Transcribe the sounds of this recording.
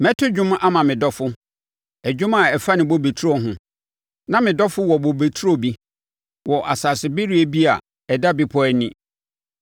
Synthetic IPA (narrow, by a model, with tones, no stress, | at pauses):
mɛ̃˦tʰʊ˦d͡ʑᶣʊ̃˦m˦ʔa˦mã˨mɪ̃˨dɔ˦fʊ˦ | æ˨d͡ʑᶣʊ̃˦ma˨ɛ˨fa˦nɪ̃˨bo˦be˨tʰu˦ɔ˨ɦʊ̃˦ | nã˦mɪ̃˨dɔ˦fʊ˦wɔ˨bo˨be˨tʰu˦ɾo˦bi˦ | wɔ˨ʔa˨saː˨sɪ˨bɪ˦ɾi˦e˦bi˦a̰˨ | ɛ˨da˦bi˨pʰɔ˦ɛ˦nɪ̃˦